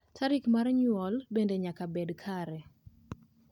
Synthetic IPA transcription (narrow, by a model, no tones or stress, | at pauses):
tʰaɾikmarɲwɔlbendeɲakabedkʰaɾɛ